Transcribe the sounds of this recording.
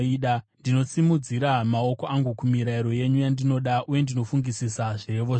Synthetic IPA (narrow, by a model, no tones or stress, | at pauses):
iːɗandino̞simud͡ziɾamao̞ko̞aŋɡukumiɾaiɾo̞je̞ɲujandino̞ɗaʔuje̞ndino̞fuŋɡisisaʐe̞ʋo